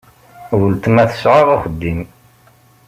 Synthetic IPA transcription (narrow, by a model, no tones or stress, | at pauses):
wəlt̪mæθə̥sʕəðˤaχəd̪ːim